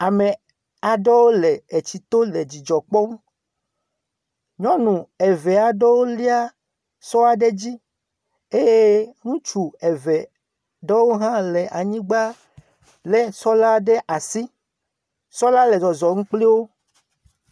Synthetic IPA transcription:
a˨me˨ | a˨ɖɔ˦wo˦lɛ˨e˨t͡ɕi˨t̪o˦le˨d͡ʑi˨d͡ʒɔ˨k͡pɔ˦m˦ | ɲɔ̃˦nũ˨ɛ˨vɛ˨a˨ɖɔ˦wo˦li˦a˦ | sɔ˦a˨ɖe˦d͡ʑi˦ | e˦je˦ŋũ˦t͡ʃu˨ɛ˨vɛ˨ | ɖɔ˦wo˦ɦã˦lɛ˨ʔa˨ɲĩ˦ɡ͡ba˦ | lɛ˦sɔ˦la˦ɖɛ˦ʔa˨si˦ | sɔ˦la˦lɛ˨zɔ˨zɔ˨ŋũ˦k͡pli˦wo˦

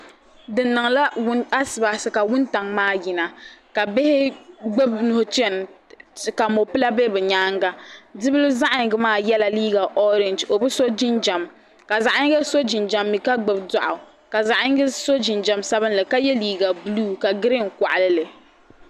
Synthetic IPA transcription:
dɨ˨nːɨ˨ŋla˦wʊ˦na˦sɨ˨ba˨sɨ˦ka˨wʊ˦nta˨ŋmaː˦˨ji˨na˨ka˨bɪ˦hɪ˦ɡ͡bɛ˦bnʊ˨hʊ˨t͡ʃɛ˦˨n | ka˨mo˨pɨ˦la˦bɛ˦bɛ˨ɲaː˦ŋɡa˦dɨ˦bɨ˦lʊ˦za˦ʔa˨ɲ˨ɡɨ˨˦maː˦˨jɛ˦la˨liː˦ɡa˨ʔɔ˦ɾɪ˨nd͡ʒo˨bɨ˦so˦d͡ʒɪ˦nd͡ʒa˨m | ka˨za˨ʔa˦ɲɪ˦ɡɛ˦so˦d͡ʒɪ˨nd͡ʒa˨mːi˨ka˦ɡ͡bɛ˨bda˨ʔʊ˨ | ka˨za˨ʔa˦ɲ˦ɡɪ˦so˦d͡ʒɪ˨nd͡ʒa˨msa˦βɨ˦nlɨ˨ka˦jɛ˦liː˦ɡa˨bluː˦ka˨ɡɪ˦ɾɪ˦ŋ̩˨kʷa˨ʔa˨lɨ˦lɨ˨

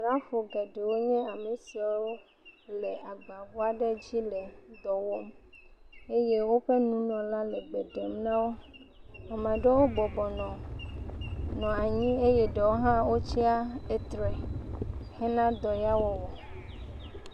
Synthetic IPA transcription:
ɾa˦ɸo˨ɡɛ˨ɖe˨wo˦ɲɛ̃˦a˨me˨si˨a˨˦wo˦ | le˨ʔa˨ɡ͡ba˨vu˦a˦ɖɛ˦d͡ʑi˦lɛ˨d̪ɔ˨wo˦m | e˦je˦wo˦ɸe˦nũ˦nɔ̃˨lã˦lɛ˨ɡ͡be˨ɖe˨mnã˦wo˦ | ɔ˨mã˨ɖe˦wo˦bɔ˨bɔ˨nɔ̃˨ | nɔ̃˨a˨ɲĩ˦e˦jɛ˦ɖe˨wo˦ɦã˦wo˦t͡ɕi˦a˦e˦t̪ɾɛ˨ | hɛ˦nã˦d̪ɔ˨ja˦wo˦wɔ˨

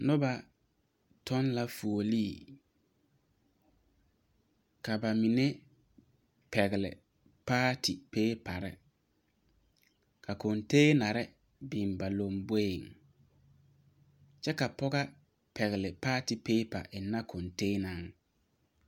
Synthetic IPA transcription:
nʊ˦ba˨ | tɔ˦nla˦fu˨o˨liː˦˨ | ka˨ba˨mi˨ne˦ | pɛ˨ɣɪ˨lɪ̰˨ | paː˦tʰi˨peː˦pa˨ɾɪ̰˦ | ka˨ko˨nteː˦na˨ɾɪ˦ | bɪ˨nba˨lo˨mbe˦ɪ˨ŋ | t͡ʃɛ˦ka˨pɔ˦ɣa˦ | pɛ˨ɣɪ˨lɪ˨paː˦ti˨peː˦pa̰˨ʔɪ˨nːa˦kʰo˨nteː˦na˨ŋ

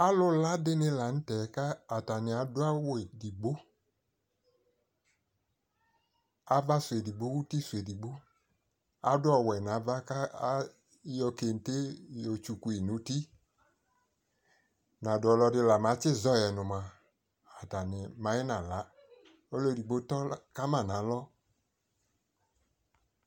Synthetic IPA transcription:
a˦lʊ˦la˦dɪ˧˦nɪ˧la˨n̩˦tɛ˨˦kaː˦˨ta˨nɪ˨a˨dʊ˦a˦wdi˨ɡ͡bo˦ | a˨˦va˦sʷe˨di˨ɡ͡bo˨˦wu˦ti˦su˨e˨di˨ɡ͡bo˦ | a˨˦dʊ˦ɔ˦˧˨wɛ˨n˨a˨˦va˦ka˦ | jɔ˧ke˧˨n̩˨te˦jo˨t͡ʃu˧ku˨˧i˨nu˨˦ti˦ | na˨dʊ˨ɔ˧lɔ˧dɪ˧la˨ma˨˦t͡ʃɪ˦˨zɔ˧˨jɛ˨nʊ˨ma˧ | a˨ta˨nɪ˨ma˨˦jɛ˦na˨la˨˦ | o˦lo˦˨di˨ɡ͡bo˦tɔ˦ka˦ma˦˨na˨˦lɔ˦

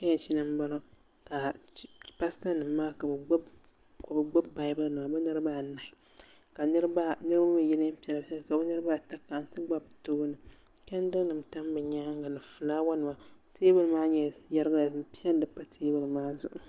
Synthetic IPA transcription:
ka˦ɲɛ˨t͡ʃi˦nɨ˦m˦ba˦lo˦ | ka˨˦ | pa˦sa˦nɨ˨mː˦aː˦ka˨bɡ͡b | ka˨bɨ˨ɡ͡ba˦bːa˨ɪ˦bɨ˦nɨ˨ma˨bɨ˦nɨ˦ɾɨ˦baː˦˨na˨ɪ˦ | ka˨ɨ˦ɾba˦nɨ˦ɾɨ˦bba˦mɨ˨jɛ˦lɨ˦m˦pɛ˨la˨˦ɛ˦˨ka˨bɨ˦nɨ˦ɾɨ˦ba˦˨ta˦kːa˨n˦tɨ˦ɡ͡ba˦btoː˦nɨ˨ | kɛ˦n˦dɨ˦ŋ˦nɨ˨m˨ta˦m˦bɛ˨ɲa˦ŋ˦ɡa˨nɨ˨fɨ˨laː˦wa˦nɨ˨ma˨ | teː˦bɨ˦lɨ˨maː˦ɲɛ˦jɛ˦ɾɨ˦ɡa˦la˨˦pi˦ɛ˦ldɨ˨pa˦tʰeː˦bɨ˨lɨ˨maː˦zʊ˨ʔʊ˨

